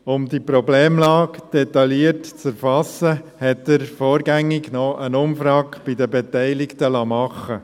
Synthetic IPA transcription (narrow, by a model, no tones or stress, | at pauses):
ʊmdipɾɔbleːmlɑːkd̥ɛt̪ɑliərtt͡sæɾfɑsːəhɛtːəɾfɔːɾɡæŋːɪɡnɔʔənʊmfɾɑːkb̥ɪdəbetæɪlɪktəlɑːmɑχːə